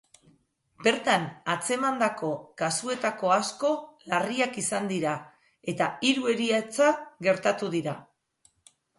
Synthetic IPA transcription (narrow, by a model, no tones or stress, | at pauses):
be̞ɾt̪anat͡se̞mand̪ako̞kasue̞t̪ako̞asko̞lariakisand̪iɾa | e̞t̪aiɾue̞ɾiat͡saɡe̞ɾt̪at̪uðiɾa